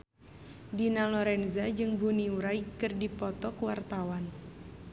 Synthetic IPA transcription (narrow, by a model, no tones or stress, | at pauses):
dinalɔɾɛnzad͡ʒɨŋbuniuɾaikɨrdipɔt̪ɔkwart̪awan